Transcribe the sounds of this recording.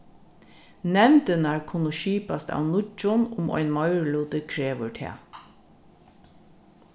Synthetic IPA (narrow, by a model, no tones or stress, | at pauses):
nɛmd̪ənæːɹkʰʊnʊʃiːpɑst̪ɑ̰ːʋnʊt͡ʃʊnʊmʔɔ̰ʏnmɑʏɹluːt̪əkʰɹeːʋəɹʈʰḛː